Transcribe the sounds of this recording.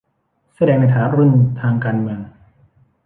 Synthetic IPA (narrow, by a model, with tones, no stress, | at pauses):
sa˧dɛː˧ŋna˧jt̪ʰaː˩˦ɾu˧˥˩nt̪ʰaː˧ŋkaː˧nmɯ˧əŋ